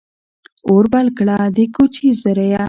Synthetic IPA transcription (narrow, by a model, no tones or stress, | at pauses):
oɾbalkɽad̪ikut͡ɕʰizəɾɐja